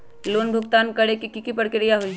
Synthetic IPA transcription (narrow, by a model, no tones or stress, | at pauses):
loːnbʱʊɡt̪aːnkɐɽekikikipɐɽkɪɾɪjaɦoi